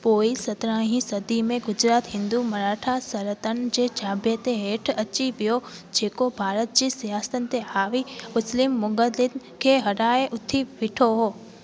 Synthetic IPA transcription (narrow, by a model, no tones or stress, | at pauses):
poːisɐt̪ɾãːɦĩsɐd̪imẽɡʊd͡ʑɾaːt̪ɦɪ̃nd̪umɐɾaːʈʰasɐɾət̪ənɪ̆d͡ʑeːd͡ʑʱaːbet̪eɦeːʈʰɐt͡ɕiʋijod͡ʑeːkobʱaːɾət̪̚d͡ʑiːsijaːsə̥t̪ənɪ̆t̪eɦaːʋimʊslɪmːʊɡəd̪ɪn̆kʰeːɦɐɽaːeʔʊt̪ʰiʋɪʈʰoɦoː